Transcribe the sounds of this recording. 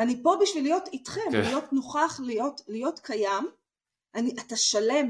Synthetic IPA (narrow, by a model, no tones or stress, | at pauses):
anipo̞biʃvilijo̞titχemlijo̞tnoχaχlijo̞tlijo̞tkʰajam | ʔaniʔataʃale̞m